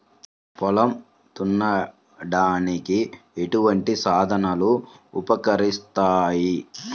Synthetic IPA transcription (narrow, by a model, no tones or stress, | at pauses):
pɔlɐm | t̪unːɐ | ɖaːnikieʈuʋɐɳʈisaːd̪ʱɐnɐluːpɐkɐɾist̪aːji